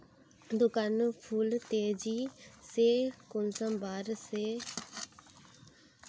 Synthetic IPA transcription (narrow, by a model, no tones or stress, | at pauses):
d̪ʊkanpʰult̪eːd͡ʒiseːkʊnsəmbaːɾse